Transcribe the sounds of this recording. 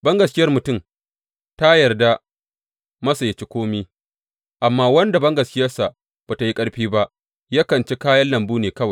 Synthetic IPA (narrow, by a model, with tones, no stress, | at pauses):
bɐ˦ŋɡɐ˨skʲɪ˦jɐ˦rmʊ˨tʊ˦˨m | ta˦jɐ˨rda˦ | mɐ˦sa˨jɐ˨t͡ʃi˦kʷoː˦miː˦ | ʔa˨mːaː˦wɐ˦nda˨bɐ˦ŋɡɐ˨skʲɪ˦jɐ˦rsa˨ | b̥aː˨ta˨ji˦kʼɐ˦ɽɸiː˦ba˦ʔ | jaː˦kɐ˨nt͡ʃe˦kaː˦jɐ˦nlɐ˨mbuː˦neː˨kɐ˦wa˨